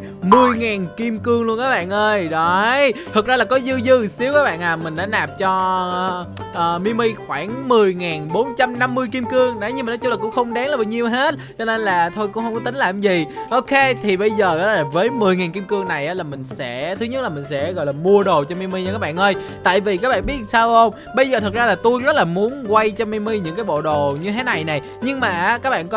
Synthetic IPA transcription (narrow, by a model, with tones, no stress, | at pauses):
mɨ˧əjŋaː˨˩nki˧mkɨ˧əŋlu˧ənkaː˦˥k̚ɓa̰ː˧˨nʔəː˧jɗɔ˨˦jt̪ʰə˨˩k̚zaː˧laː˨˩kɔ˨˦zɨ˧zɨ˧si˨˦əwkaː˦˥ɓa̰ː˧˨nʔaː˨˩mï˨˩ŋ̟ɗa̰ː˧˥naː˨˩p̚t͡ɕɔ˧ | ʔəː˨˩mi˧mi˧jxwaː˧˩ŋmɨ˨˩əjŋaː˨˩nɓo˨˦nt͡ɕa˧mna˧mːɨ˧jki˧mkɨ˧əŋɗa˨˦ɲɨ˧maː˨˩nɔ˨˦t͡ɕʊ˧˦laː˨˩kʊ̰˧˥ŋ͡mxə˧wŋ͡mɗaː˨˦ŋlaː˨˩a˨˩ɲi˧əwɦe˦˥t̚t͡ɕɔ˧ne˧nlaː˨˩t̪ʰo˧jkʊ̰˧˥ŋ͡mhə˧wŋ͡mkɔ˨˦t̪ï˨˦ŋ̟laː˨˩mzi˨˩ʔo˧wke˧t̪ʰi˨˩ɓə˧jzəː˨˩ʔa˨˦laː˨˩vəː˨˦jmɨ˨˩əjŋaː˨˩nki˧mkɨ˧əŋna˨˩jʔaː˨˦laː˨˩mï˨˩ŋ̟sɛ̰˧˥t̪ʰɨ˨˦ɲə˦˥t̚laː˨˩mï˨˩ŋ̟sɛ̰˧˥ɣɔ̰˧˨jlaː˨˩mu˧əɗo˨˩t͡ɕɔ˧mi˧mi˧ɲa˧˩kːaː˦˥ɓa̰ː˧˨nʔəː˧j | t̪a̰ː˧˨jvi˨˩k̬aː˦˥k̚ɓa̰ː˧˨nɓi˦˥ət̚saː˧wʔə˧wŋ͡m | ɓə˧jzəː˨˩t̪ʰə˨˩zaː˧laː˨˩t̪u˧jzə˦˥t̚laː˨˩mu˨˦ənkwa˧jt͡ɕɔ˧mi˧mi˧ɲɨ̰˧˥ŋkaː˨˦jɓo̰˧˨ɗo˨˩ɲɨ˧t̪ʰe˨˦na˨˩jna˨˩j | ɲɨ˧ŋmaː˨˩ʔa˨˦kaː˦˥k̚ɓa̰ː˧˨k